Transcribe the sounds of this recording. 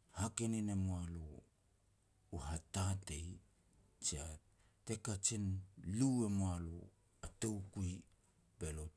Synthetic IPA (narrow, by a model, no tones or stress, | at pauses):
hakeninemoalo | ɦatatej | t͡ʃia | tekat͡ʃinliwemoalo̰ | atewkuj | be̞lot